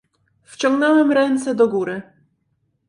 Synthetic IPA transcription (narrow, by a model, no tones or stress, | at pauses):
ft͡ɕɔ̃ŋɡnɛwɛmɾɛnt̪sɛd̪ɔɡuɾɘ